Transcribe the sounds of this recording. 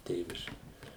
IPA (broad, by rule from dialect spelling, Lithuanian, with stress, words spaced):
ˈtʲeːʋʲɪʃʲkʲɪ